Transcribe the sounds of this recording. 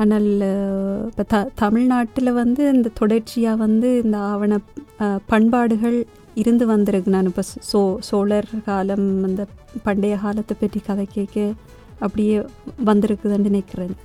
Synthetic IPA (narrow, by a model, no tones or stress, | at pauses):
aːnaːl | ɪpːɐːt̪ɐt̪ɐmɪɻnaːʈːɪlʋɐnd̪ɯɪnd̪ɐt̪ɔɽɐɾt͡ʃːɪjaːʋɐnd̪ɯɪnd̪ɐːʋɐɳɐpɐɳbaːɽɯɣɐɭ | ɪɾɯnd̪ɯʋɐnd̪ɪɾɯkːɯnaːnɪpːoːsoːsoːlɐɾkaːlɐmɐnd̪ɐpɐɳɖɐjɐɣaːlɐt̪ːɐpːɛʈːrikɐðɐɪkːeːkːɐ | ɐpːɐɽɪjeːʋɐnd̪ɪɾɯkːɯðɐnd̪ɪnɛkːɪreːn